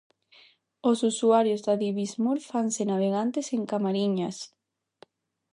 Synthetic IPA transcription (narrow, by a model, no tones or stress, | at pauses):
osusuaɾjozðaðiβizmuɾfansenaβ̞eɣ̞ant̪eseŋkamaɾiɲas